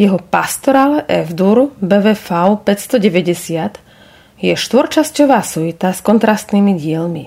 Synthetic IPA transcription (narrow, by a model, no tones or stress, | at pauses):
jɛɦɔpast̪ɔɾalɛʔɛvd̪uɾbɛːʋɛːfaʊpɛcst̪ɔɟɛʋɛɟɛsɪat̪ | jɛʃt̪ʋɔɾt͡ʃascɔʋaːsuit̪askɔnt̪ɾast̪niːmiɟɪɛlmi